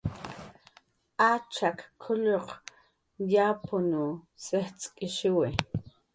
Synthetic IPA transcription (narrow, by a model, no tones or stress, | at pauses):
at͡ʃakkʰːʊʎoq | jaːpʊnu | seht͡sʼkʼɪʃɪwɪ